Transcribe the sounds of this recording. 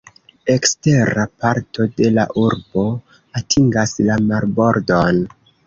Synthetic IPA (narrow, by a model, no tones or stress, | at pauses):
e̞kste̞ɾapaɾtʰo̞de̞la̰ʔuɾbo̞ | atʰiŋɡaslamaɾbo̞ɾdo̞n